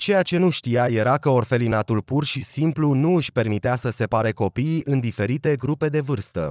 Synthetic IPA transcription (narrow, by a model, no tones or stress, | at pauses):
t͡ʃe̞jat͡ʃe̞nuʃt̪ijaje̞ɾakəo̞rfe̞linat̪ulpurʃisimplunuɨʃʲpe̞rmit̪easəse̞paɾeko̞piʔɨnd̪ife̞ɾit̪e̞ɡɾupe̞d̪e̞vɨrst̪ə̰